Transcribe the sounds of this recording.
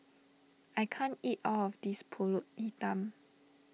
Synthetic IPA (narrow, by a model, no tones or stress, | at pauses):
ajkʰãntitɔɔfdispʰolut̚itə̃m